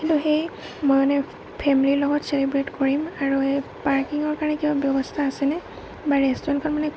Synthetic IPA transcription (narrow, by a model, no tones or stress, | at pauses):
intʊxej | mojmanɛ | pʰɛmililɔɡɔtselibɹetkoɹimaɹuepaɹkiŋɔɹkaɹnɛkibabjɔbɔstʰaːsɛnɛ | baɹɛstɔɹɔnkʰɔnmanɛ